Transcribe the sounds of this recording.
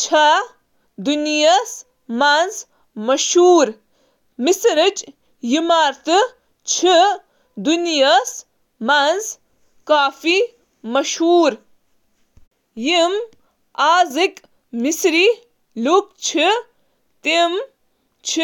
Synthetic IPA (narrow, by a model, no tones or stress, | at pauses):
t͡ʃʰa | d̪unijas | mɐnz | mɐʃhuːɾ | misɾɨt͡ʃ | jimaːɾt̪ɨ | t͡ʃʰi | d̪unijas | mɐnz | kaːfi | mɐʃhuːɾ | jim | aːzik | misɾi | luk̚t͡ʃʰi | t̪im | t͡ʃʰi